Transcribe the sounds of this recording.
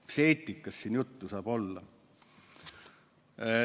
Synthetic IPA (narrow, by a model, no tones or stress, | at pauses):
seːt̪ːˑikːˑɑsːiːnjut̪ːusɑːb̥o̞lːɑ